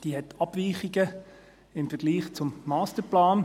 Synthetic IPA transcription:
d̥iːɦɛtʰɑb̥viːχiɡə | ɪmfəɾɡ̥liːχt͡sʊmːɑːstəplaːn

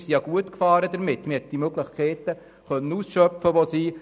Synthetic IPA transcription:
sijɑɡ̥uətkfɑːɾədəɾmɪtːmɪhɛt̚d̥imøɡləχkʰɛːtə | χœnːənuːsʃœpfəʋosiː

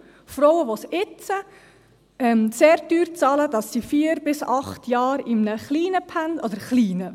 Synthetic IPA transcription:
fɾɔwəʋosɪt͡sə | ɛmseːɾdyːɾt͡sɑːləd̥ɑsːifiːəɾbɪsɑχtʰjɑːɾɪmnəχliːnəpʰændɔdəɾχliːnə

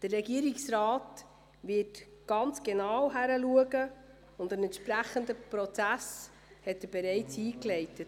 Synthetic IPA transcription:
d̥ərːɛɡiəɾɪksɾaːt | ʋɪːt | ɡ̥ɑnt͡sɡ̥enɑwɦæɾəluəɡə | ʊndənɛntʃpɾæχəndəpɾɔt͡sæs | hɛtːəb̥eɾɛɪt͡siːklɛɪtət

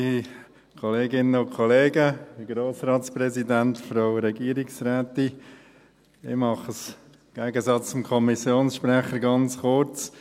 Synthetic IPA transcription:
kʰɔleːɡɪnːəʊnkʰɔleːɡəɡɾoːsɾɑːtspɾɛzidæntfɾaʊɾɛɡiːɾɪksɾæːt̪i | ɪ̰mɑχəs | ɡ̥æːɡəsɑt͡st͡sʊmkʰɔmisjoːnsʃpɾæχəɾɡɑnt͡sχʊɾt͡s

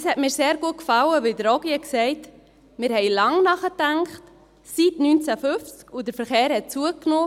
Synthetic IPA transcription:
shɛtmɪːɾseːɾɡuət̚kfɑləʋɪldəɾɔɡiəksɛɪt | mɪːɾhɛɪlɑŋnɑχətæŋkχt | sitnynt͡sæfʏft͡skʊd̥əɾfəɾχeːɾhɛt̚t͡suəknoː

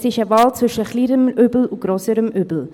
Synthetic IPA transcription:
sɪʃəvɑːlt͡sv̥ʏʃəχliːɾəmøːbl̩uɡ̥ɾøːsəɾəmʔyːbl̩

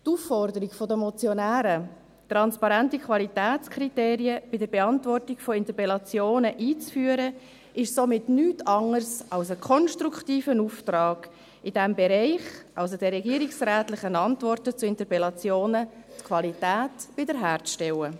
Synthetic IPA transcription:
tufːɔɾdəɾiɡfodəmɔt͡sjɔnæːɾə | tɾɑnspɑɾæntikχʋɑlitæːt͡skʰriteːɾiəb̥ɪdəɾbɛɑntvɔrtɪkfoɪntəpɛlɑt͡sjoːnəʔiːt͡sfyːəɾə | ɪʃsomɪtnyːtʰɑŋərsɑlsəkʰɔnʃtɾukχtiːfənuftrɑːɡ̥ | ɪd̥ɛmbɛɾɛɪχʔɑls̬odɛrɾɛɡiəɾiksræːtlɪχənɑntvɔrtət͡suɪntəpɛlɑt͡sjoːnətkʰʋɑlitæːtb̥ɪdəɾɦæːɾt͡sʃtɛwə

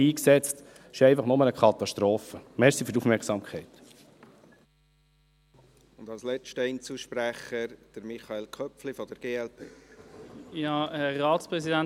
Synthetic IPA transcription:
iːksɛt͡st | ɪʃɛɪfɑχnɔmənəkʰɑt̪ɑʃtɾoːfəmɛɾsifytufmɛɾksɑːmkʰɛɪt̪ | ʊnd̪ɑlslɛt͡ʃtɛɪnt͡suʃpɾæχəɾd̥əɾmiχɑelkʰœpflifɔd̥̪əɾɡ̥eːɛlpʰeː | jɑːɛɾɑːtspʁɛsidæn

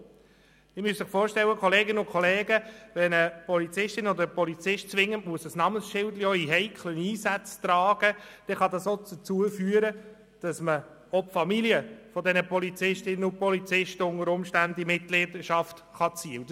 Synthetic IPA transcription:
d̥̪ɪmyəssɪχfoːɾʃtɛwəkχɔleːɡɪnəʊnkʰχɔleːɡəʋɛnəpɔlit͡sɪʃtɪnɔdəɾəpɔlit͡sɪʃtt͡sʋɪŋːənmuəsəsnɑmənsʃɪldlioiɦɛɪkʰləniːsæt͡st̪rɑːɡ̥əd̪̥ɛχɑd̪ɑsot͡sət͡suəfyːəɾə | d̥ɑsmə | ɔpfɑmiliəfɔdɛnəpɔlit͡sɪʃtɪnəʊpɔlit͡sɪʃtəʊŋəɾʊmʃtændimɪt̚lɪːdəʃɑftχɑt͡siːəw

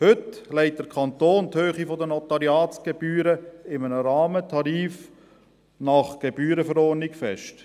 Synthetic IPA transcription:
hʏtlɛɪt̚d̥̪əɾkʰɑnt̪oːnt̪høːχifɔd̪ənɔtɑɾjɑːt͡sɡ̥eb̥yːɾəɪmənəɾɑːmətʰɑɾiːf | nɑχɡ̥ebyːɾəfəɾɔːɾnɪkfɛʃt

